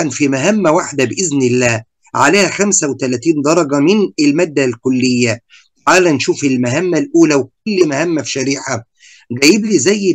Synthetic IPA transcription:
ænfimæɦæmːæwaħd̪æbʔɪznɪlːæː | ʕaleːhæxæmsæwt̪ælæt̪iːnd̪ɑɾˤɑɡæmɪnɪlmæːd̪ːælkʊlːɪjːæ | t̪aʕaːlænʃuːfɪlmæɦæmːælʔuːlæwkʊlːmæhæmːæfi̥ʃæɾiːħa | ɡæjɪbliːzæjː

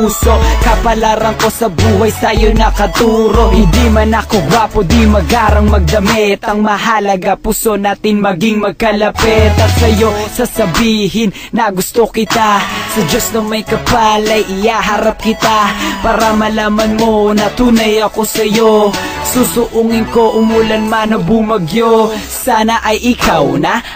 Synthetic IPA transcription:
puːsokɐpɐlaɾɐŋko̞sɐbuːɦɐjsɐjonɐkɐt̪uːɾo̞ʔhɪnd̪imɐnɐkoɡwaːpod̪imɐɡaːɾɐŋmɐɡ̚d̪ɐmɛt̪ɐŋmɐɦalɐɡapuso̞naːt̪ɪŋmɐɡɪŋmɐɡ̚kɐlɐpɛt̪ɐsɐjo̞sɐsɐbiːɦɪnːɐɡʊst̪okɪt̪asɐd͡ʒosnɐŋmɐjkɐpalɐjʔɪhaːɦɐɾap̚kɪt̪apaːɾɐmɐlaːmɐnmo̞nɐt̪uːnɐjɐko̞sɐjosusʊʔuŋɪŋko̞ʔʊmulɐnmanɐbumɐɡjo | saːnɐʔɐjʔɪkawnɐ

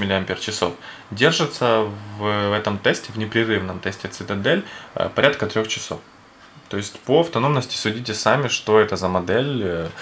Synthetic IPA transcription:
ɪlʲɪɐmʲpʲert͡ɕɪso̞̰f | dʲerʐɨt̪səvvɛt̪əmt̪ɛsʲtʲɪvnʲɪpɾʲɪrɨvnəmt̪ɛsʲtʲɪt̪sɨt̪ɛd̪ɛl̰ʲpɐɾʲʔat̪̚kət̪ɾʲo̞xt͡ɕɪ̥so̞̰f | t̪o̞ɪsʲtʲpoɐft̪ɐno̞mnəsʲtʲɪ̥sʊdʲitʲɪsamʲɪʂt̪o̞ɛt̪əzəmɐd̪ɛlʲ

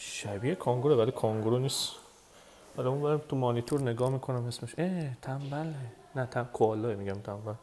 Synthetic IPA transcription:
ʃæbiːekʰoŋɡoɾebældikʰɔŋɡoɾoniːs | æliũnbæɾæt̪ʰumɒnit̪ʰuɾne̞ɡɒːmiːkʰo̞næme̞smeʃʔeːt̪ʰæmbæle | næt̪ʰækʰoɒːlːɒːemiɟæmt̪ʰæmbæl

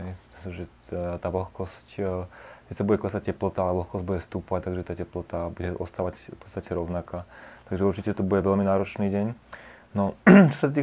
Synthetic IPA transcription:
ɦɛj̪t̪ʒɛ | t̪aːʋl̩xkɔsc | kɛt̪sabuɟɛklɛsac̚cɛplɔt̪aalɛʋl̩xkɔzɟbudɟɛfst̪uːpɔʋact̪aɡʒɛt̪aːcɛplɔt̪abuɟɛʔɔ̰st̪aːʋacfpɔ̥t̪st̪acɛɾɔʊnakat̪aɡʒɛuɾt͡ʃicɛt̪ɔbuɟɛʋɛlminaːɾɔt͡ʃniːɟɛɲ | nɔt͡ʃɔsat̪iː

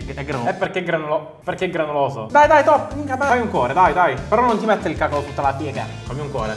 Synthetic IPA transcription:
ɛɡɾaepːerkːeɡɾanulɔ | perkeɡɾanulɔzo̰d̪ajd̪ajt̪ɔpːikat̪aajuŋkwɔːɾed̪ajd̪ajpeɾɔnːont̪imɛt̪ːeilkakolot̪ut̪ːalapjɛːɡa̰ | kamiuŋkwɔ̰ːɾe

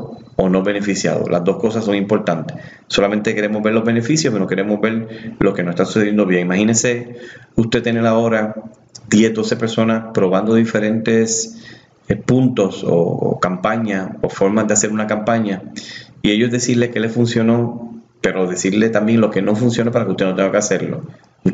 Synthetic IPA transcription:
onoβe̞ne̞fisja̰ðo̰lʔa̰zd̪osko̞sasːo̞ŋimpo̞ɾt̪ant̪e̥ | so̞lament̪eke̞ɾe̞mozβbe̞ɾlo̞zβe̞ne̞fisjosenoke̞ɾe̞mozbe̞ɾlʔokenoset̪asusejend̪o̞βjeŋimahinese̞ust̪e̞t̪enelao̞ɾa | d̪je̞sd̪o̞se̞pe̞ɾso̞naspɾo̞β̞and̪o̞ðife̞ɾẽ̞nt̪e̞s | epunt̪o̞so̰kampaɲao̰fo̞ɾmazðease̞ɾunakampaɲaie̞ʝozðesiɾle̞kele̞funsjo̞no̞pe̞ɾo̞ðe̞siɾle̞t̪ambje̞ŋlo̞ke̞no̞funs̬jo̞nep̬aɾakeust̪e̞not̪eŋɡakease̞ɾlo̞̰ | u

